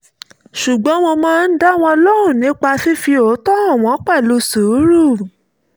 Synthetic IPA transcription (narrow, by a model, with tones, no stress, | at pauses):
ʃu˨ɡ͡bɔ̃˨˦w̃ɔ̃˧mãː˦˧n̩˦da˦˨w̃ɔ̃˧ɔ˧lɔ˦hũ˦˨nĩ˨˦k͡pa˧fi˦fi˧o˨˦tɔ˦a˦˨w̃ɔ̃˧˦k͡pɛ˦˨lo˧so˨˦ɾu˦˨